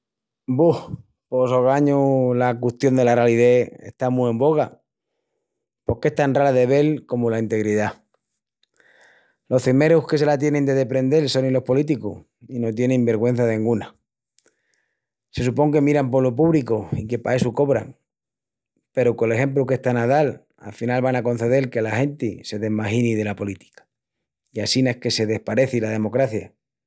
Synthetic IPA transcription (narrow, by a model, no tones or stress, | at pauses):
buh | po̞soɣaɲolakweht̪jo̞nd̪e̞larealiðe̞ḛht̪amuẽ̞mbo̞ɣ̞a | po̞ke̞ht̪anraɾaðe̞βe̞lko̞molaint̪e̞ɣɾiða | lo̞hθeme̞ɾohke̞s̬e̞lat̪̬jene̞nd̪e̞ðe̞pɾe̞nd̪e̞lso̞nilo̞hpo̞lit̪ikṵh | ino̞t̪je̞nẽmbe̞ɾɣwẽ̞n̟θaðeĩŋɡuna | se̞supo̞ŋke̞miɾampo̞lop̬uβlikoike̞pa̰e̞suko̞βɾa̰ŋ | pe̞ɾoko̞le̞xe̞mp̬luke̞ht̪anað̞al | a̰lfinalβanako̞n̟θe̞ð̞e̞lke̞laxe̞nt̪ḭse̞ðe̞ɦmaxinið̞e̞lapo̞lit̪i̥kḁ | iasinehke̞se̞ð̞e̞hpaɾe̞θilað̞e̞mo̞kɾaθja